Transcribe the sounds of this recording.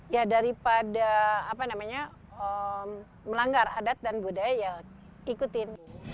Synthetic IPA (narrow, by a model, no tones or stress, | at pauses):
jadaɾipadaːpanamaɲa | əm | məlaŋɡaradat̪̚danbudajaja | ikut̪ɪn